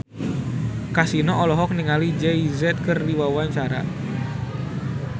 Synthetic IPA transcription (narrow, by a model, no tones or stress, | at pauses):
kasinɔɔlɔɦɔk̚niŋalid͡ʒɛizɛt̪̚kɨrdiwawaɲt͡ʃaɾa̰